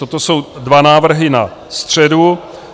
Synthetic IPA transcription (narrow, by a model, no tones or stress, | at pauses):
ot̪oso̞wdvanaːvr̩ɦɪna | st̪r̝̥ɛdu